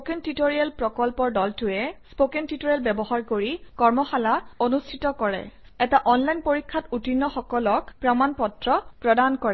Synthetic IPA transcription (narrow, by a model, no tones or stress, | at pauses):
spokɛntitoɹialpɹɔkɔlpɔɹdɔltʊɛspokɛntitoɹialbɛbɔɦaɹkoɹikɔɹmɔxalaonustʰitɔkɔɹɛ̰ɛtaʔɔnlajnpoɹikʰːatutinːɔxɔkɔlɔkpɹamanpɔtɹɔpɹɔdankɔɹɛ